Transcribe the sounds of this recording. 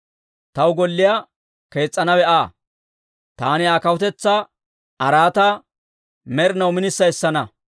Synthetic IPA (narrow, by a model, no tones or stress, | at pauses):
t̪ɐwɡɔlːɪjaː | ke̞ːt͡sʼːɐnɐwɛʔaː | t̪aːnɪaːkɐwʊt̪ɛt͡sːa | ɐɾaːt̪ɐ | mɛɾnɐwmɪnɪsːɐjsːɐnɐ